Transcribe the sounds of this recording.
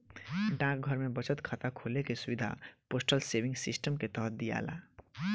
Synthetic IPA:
ɖãk̚ɡʱəɾmebət͡ʃət̪kʰat̪akʰolekesubid̪ʱa̰posʈəlsebĩŋɡsisʈəmket̪əɦət̪̚d̪ija̰la̰

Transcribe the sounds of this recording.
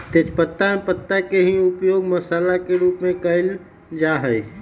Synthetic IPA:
t̪eːt͡ʃpət̪ːanpət̪ːakeɦiʊpjoːɡməsaːlakeɾuːpmẽkəɪl | d͡ʒaɦə

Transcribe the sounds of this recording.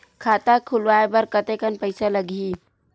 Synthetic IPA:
kʰat̪akʰulʋaebəɾkət̪ekənpəɪsaləɡʱi

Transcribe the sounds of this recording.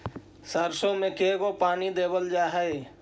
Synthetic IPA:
səɾsõmẽkeɡopaːnid̪eːbəld͡ʒaːɦɛe

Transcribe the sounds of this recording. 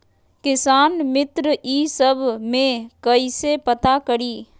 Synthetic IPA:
kɪsaːnmɪt̪ɾəiːsəbʱmẽkɐisepət̪akəɽiː

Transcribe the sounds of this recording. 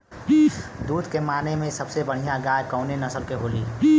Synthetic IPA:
d̪uːd̪kemaːnemẽsəbsebəɽ̤ijãɡaːjkəʊnenəsəlkeɦoːliː

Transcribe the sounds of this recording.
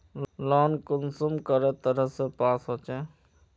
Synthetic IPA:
lɔːnkʊnsumkəɾet̪əɾəsepaːsɦot͡ʃɛ

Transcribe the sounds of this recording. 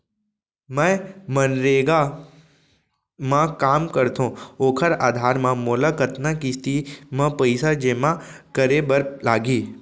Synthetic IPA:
mɛ̃mənɾeːɡa | mãkaːmkəɾt̪ʰõoːkʰəɾaːd̪ʱaːɾmãmoːlakət̪nãkiːst̪imãpəɪsad͡ʒeːmãkəɾebəɾlaːɡiː

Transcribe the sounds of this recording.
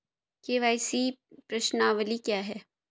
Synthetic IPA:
keːʋaːɪsipɾɐʃnaːʋəlikjaːɦɛː

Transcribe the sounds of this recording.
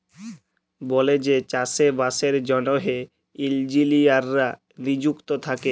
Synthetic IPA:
bɔled͡ʑet͡ɕasebaseɾd͡ʑɔnoɦe | ild͡ʑiliaɾːa | nid͡ʑukt̪ot̪ʰake

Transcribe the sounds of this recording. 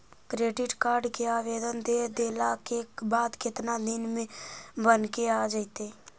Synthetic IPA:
kɾeːɖɪʈkaːɾɖkeaːʋeːd̪ənd̪eːd̪eːlakebaːd̪kɪt̪nad̪ɪnmẽbənkeaːd͡ʒaɪt̪e

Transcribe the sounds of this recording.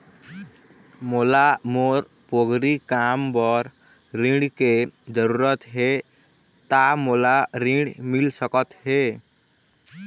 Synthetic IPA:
molamoɾ | poɡɾikambɔɾ | ɾĩɖked͡ʒəɾuːɾət̪ɦe | t̪amolaɾĩɖmilsəkət̪ɦe

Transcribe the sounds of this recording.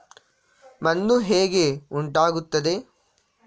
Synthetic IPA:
mɐnd̪uɦeːɡeuɳʈaːɡut̪ːɐd̪e̞

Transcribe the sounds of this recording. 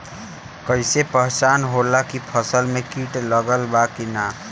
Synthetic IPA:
kəjsepəɦt͡ʃanɦolakipʰəsəlmekiʈləɡəlbakina

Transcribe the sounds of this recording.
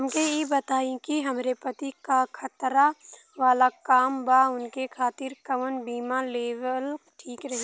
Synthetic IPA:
ɐmkejebɐt̪aːĩkiɦɐmɾepɐt̪ikakʰɐt̪ɾa | ʋaːlakaːmbaʊnkekʰaːt̪ɪɾkɐʋənbiːmaleːʋəlʈʰiːkɾɐɦe

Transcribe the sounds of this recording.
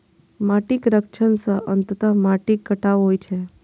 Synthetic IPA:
maʈikɾəkt͡ʃʰənsəʔənt̪ət̪amaʈikːəʈaʋɦojt͡ʃʰe

